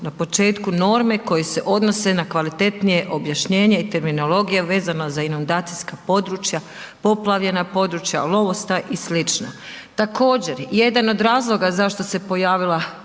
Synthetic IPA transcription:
napo̞t͡ʃe̞ːt̪kuno̞ːɾme̞ko̞jese̞ʔo̞d̪no̞se̞nakʋalit̪e̞t̪nije̞ʔo̞bjaʃɲeːɲeit̪e̞ɾmino̞lo̞ɡijeʋe̞ːzanazainund̪aːt̪sijskapo̞d̪ɾuːt͡ʃja | po̞plˠaʋʎe̞napo̞d̪ɾut͡ʃja̰lˠo̞ʋo̞st̪aʔislit͡ʃnat̪ako̞ːd͡ʑe̞ɾje̞d̪ano̞d̪ɾaːzlˠo̞ɡazaʃt̪o̞se̞po̞jaːʋilˠa

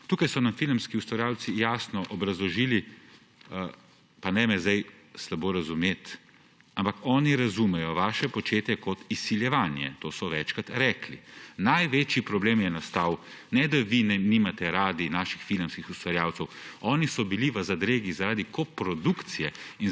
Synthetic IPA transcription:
t̪uːkajsɔnamfilmskiust̪ʋaɾjaːwt̪sijaːsnɔʔɔbɾɐzlɔʒiːli | panɛmɛzd̪aj | slaboːɾazumeːt̪ | ampakɔːniɾazumɛjɔʋaːʃɛpɔt͡ʃeːt̪jɛkɔt̪isiljɛʋanjɛ̰t̪oːsɔʋɛt͡ʃkat̪ɾɛːklḭnajʋet͡ʃipɾɔbleːmjɛnast̪aːw | nɛd̪aʋinɛnimat̪ɛɾaːd̪inaːʃi̥xfilmskixust̪ʋaɾjaːw̪sɛwɔːnisɔbiliʋəzad̪ɾeːɡizaɾaːd̪ikopɾɔd̪ukt̪sijɛin

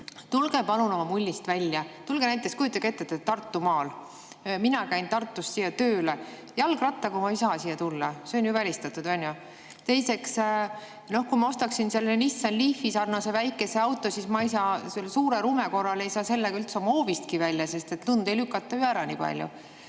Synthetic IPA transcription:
t̪ulɡ̥e̞pɑluno̞mɑmulʲːist̪vælʲjɑt̪ulɡ̥enæjt̪ːˑeskujut̪ːˑɑket̪ːet̪ːet̪ːɑrt̪ːˑumɑːl | minɑkæjnt̪ɑrt̪ːˑust̪sijːɑt̪øːle | jɑlɡrɑt̪ːˑɑkumɑijsɑːsiːjːɑt̪ulːɑse̞o̞njyvælʲist̪ɑt̪ːud̪ɑnʲju | t̪e̞jse̞ks | no̞hkumɑo̞st̪ɑksinse̞lːenisːɑnlifːisɑrnɑse̞væjkːˑe̞se̞ɑwt̪ːˑo̞sismɑjsɑːselsuːɾeɾuːmeko̞rːɑle̞jsɑːse̞lːeɡ̥ɑylt̪seo̞mɑo̞ːvist̪̚kivælʲːjɑse̞st̪e̞t̪lund̪e̞jlykːˑɑt̪ːˑɑyæɾɑnḭːpɑ̰lʲjṵ

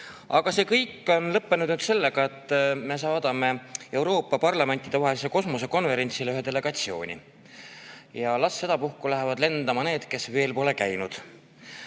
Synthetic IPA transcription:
ʔɑ̰ɡ̥ɑse̞ːkɤjkːˑo̞nlɤpːe̞nud̪nyːd̪̥se̞lːe̞ɡ̥ɑe̞t̪ːˑme̞sɑːd̪̥ɑme̞e̞wɾo̞ːpːɑpɑrlɑme̞nʲt̪ːˑid̪e̞vɑɦe̞lis̬eko̞smus̬e̞ko̞nve̞ɾe̞nt̪sileyɦed̪ele̞ɡ̥ɑt̪sio̞ːnʲḭ | jɑlɑsːe̞d̪̥ɑpuhkulæɦevɑd̪le̞nd̪̥ɑmɑne̞ːd̪̥ke̞sve̞ːlpo̞le̞kæjnud̪̥

